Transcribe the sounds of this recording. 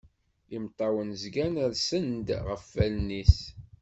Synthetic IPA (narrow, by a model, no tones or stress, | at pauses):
imt̪ˤːɑwənzɡænəɾsənd̪ʁəfːælnis